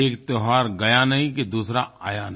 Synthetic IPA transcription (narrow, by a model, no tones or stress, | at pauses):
eːkt̪oɦaːɾɡɐjanɐɦĩkid̪uːsɾaaːjan